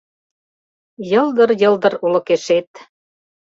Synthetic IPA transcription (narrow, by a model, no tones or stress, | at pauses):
jɤ̆ld̪ɤ̆ɾjɤ̆ld̪ɤ̆ɾulɤ̆keʃet̪